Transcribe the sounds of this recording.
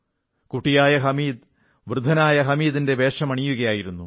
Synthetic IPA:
kuʈːijaːjɐɦɐmiːd̪ | ʋrɨd̪ʱɐnaːjɐɦɐmiːd̪inde̞be̞ːʂɐmɐɳijuɣɐjaːjiɾunːu

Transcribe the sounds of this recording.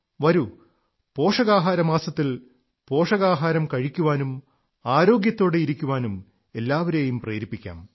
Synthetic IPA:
ʋɐɾu | po̞ːʂɐɣaːɦaːɾɐmaːsɐt̪ːil | po̞ːʂɐɣaːɦaːɾɐmkɐɻikʲːuʋaːnum | aːɾo̞ːɡjɐt̪ːo̞ːɽeiɾikʲːuʋaːnum | e̞lːaːʋɐɾeːjumprḛːɾipːikʲːa̰ːm

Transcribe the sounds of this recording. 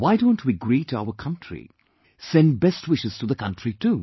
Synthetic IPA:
waɪdõʊ̃ntʰwiəɡɾitua̰ʊəkʰʌ̃ntʰɹḭ | sɛ̃nd̚bɛstwɪʃɨz̥tuðəkʌ̃ntɹitu

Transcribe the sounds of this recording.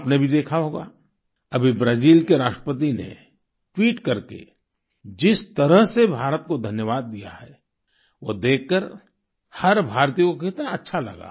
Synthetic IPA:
pnebʱid̪eːkʰaɦoːɡa̰ː | ɐbʱibɾaːziːlkeɾaːʃʈɾəpət̪̬inḛ | ʈwiːʈkɐɾkḛ | d͡ʒɪst̪ɐɾəɦsebʱaːɾət̪̚kod̪ʱɐnjəʋaːd̪ːija̰ɦɛ | ʋo̰d̪eːkːəɾ | hɐɾbʱaːɾt̪ijõkokɪt̪naɐtːʃʰalɐ̰ɡa̰ː

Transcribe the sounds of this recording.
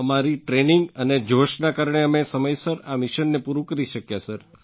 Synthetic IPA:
əmaɾiʈɾeniŋɡəned͡ʒoʃnakaɾɳ̃eəmesəməjsəɾamiʃənːepuɾũkəɾiʃəkjasəɾ

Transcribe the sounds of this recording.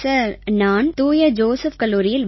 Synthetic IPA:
sɐɾnaːnt̪uːjɐd͡ʒoːsɐfkɐlːuːɾɪjɪlʋ

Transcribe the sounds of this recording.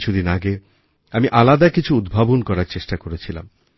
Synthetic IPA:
t͡ɕʰud̪inaɡe | amiʔalad̪akit͡ɕʰuud̪bʱabonkɔɾaɾt͡ɕeʃʈakoɾet͡ɕʰila̰m

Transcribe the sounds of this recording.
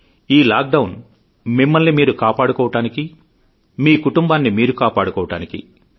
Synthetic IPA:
iːlaːk̚ɖɐwn | mimːɐlnimiːɾukaːpaːɽukɔːʋɐʈaːniki | miːkuʈumbaːnːimiːɾukaːpaːɽukɔːʋɐʈaːnikḭ

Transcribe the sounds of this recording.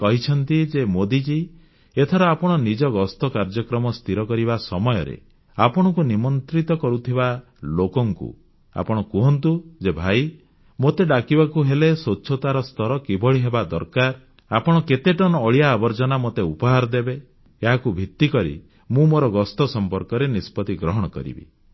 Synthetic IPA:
kɔɦit͡ʃʰɔnt̪id͡ʒemod̪id͡ʒi | et̪ʰɔɾɔapɔɽ̃ɔnid͡ʒɔɡɔst̪ɔkaɾd͡ʒɔkɾɔmɔst̪ʰiɾɔkɔɾiβasɔmɔjɔɾḛ | apɔɽ̃ɔkunimɔnt̪ɾit̪ɔkɔɾut̪ʰiba | lokɔŋkṵ | a̰pɔɽ̃ɔkuɦɔnt̪ud͡ʒebʱaj | mot̪eɖakibakuɦelesotːʃʰot̪aɾɔst̪ʰɔɾɔkibʱɔɭiɦebad̪ɔɾkaɾ | apɔɽ̃ɔket̪eʈɔnɔːɭijaːbɔɾd͡ʒɔnamot̪eupɔɦaɾɔd̪ebe | eɦakubʱit̪ːikɔɾḭ | mũmoɾɔɡɔst̪ɔsɔmpɔɾkɔɾenispɔt̪iɡɾɔɦɔɽ̃ɔkɔ̰ɾḭbḭ

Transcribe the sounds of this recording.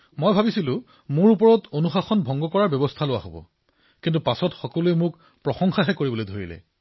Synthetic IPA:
mojbʱabisilʊ̃ | mʊɹup̬ɔɹɔtonuxaxɔnbʱɔŋɡɔkɔɹaɹbjɛbɔstʰalʊwa̰ɦobɔ̰ | kintupasɔtxɔkɔluemʊk | pɹɔxɔŋxaɦɛkoɹibɔlojdʱoɹḭlɛ̰

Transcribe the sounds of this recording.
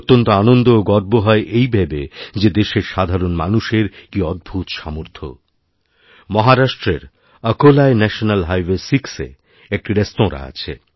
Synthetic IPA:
oɾt̪ːont̪oanond̪ooɡɔɾboɦɔeʔejbʱɛbed͡ʑed̪eʃeɾʃad̪ʱaɾonma̰nuʃeɾkiɔd̪̚bʱut̪ʃamoɾt̪ʰo̰ | mɔɦaɾaʃʈɾeɾ | əkolaenɛʃonalɦajwesiksḛ | ek̚ʈiɾest̪õɾa̰a̰t͡ɕʰḛ

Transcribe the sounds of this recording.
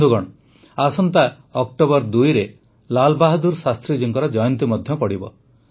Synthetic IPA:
d̪ʱuɡɔɽ̃ | asɔnt̪a | ɔk̚ʈobɔɾd̪ujɾe | lalbaɦd̪uɾsast̪ɾid͡ʒiŋkɔɾɔd͡ʒɔjɔnt̪imɔd̪ʱjɔpɔɽibɔ̰

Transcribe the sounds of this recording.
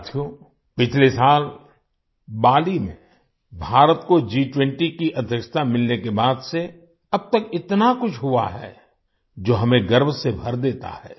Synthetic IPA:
t̪ʰjõ | pɪt͡ʃʰlesaːl | baːlimḛ̃ | bʱaːɾət̪kod͡ʒiːʈwɛ̃ɳʈikiʔɐd̪ʱjəkʃə̥t̪amɪlnekebaːd̪se | ɐb̚t̪əkɪt̪nakʊt͡ʃʰɦua̰ɦɛ̰ː | d͡ʒoːɦɐmẽɡɐɾbʱsebʱɐɾd̪eːt̪a̰ɦɛ̰ː

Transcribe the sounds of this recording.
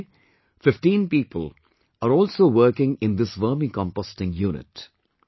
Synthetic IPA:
fɪfʈĩːnpiːpəl | aɾɔːlsoːʋəɾkɪ̃ŋɪ̃nd̪ɪsʋəːmikɔ̃mpɔsʈɪ̃ŋjuːnɪ̰t

